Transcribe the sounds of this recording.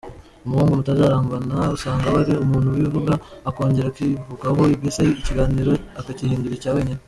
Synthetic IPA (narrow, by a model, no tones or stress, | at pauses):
omuhuːŋɡomutazaɾaːmbanausaːŋɡaβaɾiomuːn̥huwivuɡaːko̞ːɲɟe̞ɾakivuɡaɦo̞iɡesaiːciɡaːniːɾo̞akacihiːnduɾicaːwe̞ːɲine